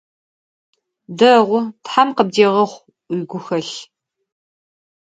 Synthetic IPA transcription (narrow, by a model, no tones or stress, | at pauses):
dɐʁʷʊtħamqəb̚deːʁɐχʷ | ijɡʷʊxɐɬ